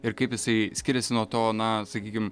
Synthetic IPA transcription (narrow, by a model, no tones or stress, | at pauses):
ɪɾkɐɪpjɪsɐɪsʲkʲɪɾʲɛsʲɪnuɔt̪oːnɐsɐkʲiːkʲɪm